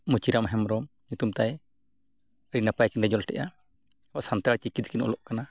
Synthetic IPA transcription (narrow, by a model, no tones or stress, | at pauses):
mut͡ʃiɾamɦɛmɾɔm | ɲut̪umt̪aj | ɾinapajkinɾɛd͡ʒɔlʈɛ̰ʔa | waʔsant̪ɾaɾt͡ʃikit̪̚kinɔ̰lɔʔkana